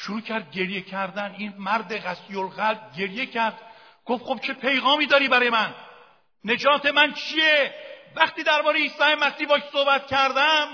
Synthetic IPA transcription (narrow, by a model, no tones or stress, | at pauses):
ʃuɾuːcʰæɾd̪̚ɟe̞ɾjecʰæɾd̪æniːnmæɾd̪eɣæsijolɣælb̚ɟe̞ɾje̞cʰæɾd̪̥ | ɡ̥ofχob̥̚t͡ʃʰe̞pʰe̞jɣɒːmiːd̪ɒːɾiːbæɾɒːjemænː | e̞d͡ʒɒːt̪ʰe̞mænt͡ʃʰievæχt̪iːd̪æɾbɒːɾejeiːst̪ɒːhemæsiːbɒːkso̞hbæt̪̚kcʰæɾd̪æm